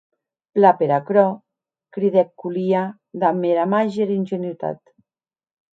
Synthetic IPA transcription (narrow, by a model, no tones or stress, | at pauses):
plapeɾakɾɔ | kɾiðɛkːulia | ðameɾamaʒeɾinʲʒenjut̪a̰t̪